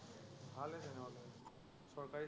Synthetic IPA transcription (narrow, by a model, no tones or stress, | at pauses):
bʱalɛzɛnɛɔlɛ | sɔɹkaɹi